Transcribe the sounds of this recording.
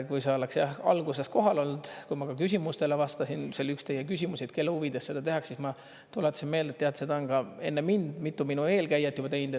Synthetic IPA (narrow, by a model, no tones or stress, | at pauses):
kujseoleksjæhɑ̰lɡ̥use̞sko̞ɦɑlo̞ld̪̥kujmɑkɑkys̬ʲimust̪e̞levɑst̪ɑsinselykst̪e̞jekysʲimuset̪ke̞lːehuvid̪essːe̞d̪ɑt̪e̞ɦɑksːismɑ | t̪ulet̪ːˑɑsinme̞ld̪et̪ːeɑt̪se̞d̪ɑonɡ̥ɑe̞nːemind̪̥mit̪ːˑuminue̞ːlkæjːɑt̪ːˑjub̥ɑt̪e̞jnd̪e